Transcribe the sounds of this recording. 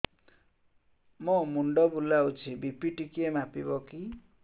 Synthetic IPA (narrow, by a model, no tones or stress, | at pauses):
mɔmuɳɖʌbulːaut͡sʰibipiʈikemapibʌki